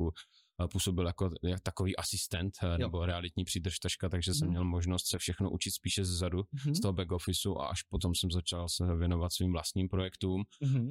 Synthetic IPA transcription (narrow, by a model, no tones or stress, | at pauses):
u | puːso̞bɪljakojakt̪akoviːʔasɪst̪ɛnt̪nɛboɾɛalɪt̪ɲiːpr̥iːd̪r̩ʃt̪r̩ʃkat̪aɡʒɛsɛmːɲɛlmoʒnost̪sɛfʃɛxnoʔut͡ʃɪt̪spiːʃɛzɛzadust̪oɦobɛɡofɪsuʔa̰ʔaʃpot̪omsɛmzat͡ʃalsɛvjɛno̞vat̪sviːmvlast̪ɲiːmpɾojɛkt̪uːm